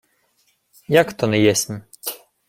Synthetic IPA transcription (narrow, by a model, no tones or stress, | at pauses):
jakt̪ɔnɛjɛsʲm